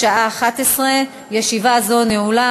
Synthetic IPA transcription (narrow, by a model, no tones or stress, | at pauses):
aʔaːχat̪esʁe | jeʃivazoneula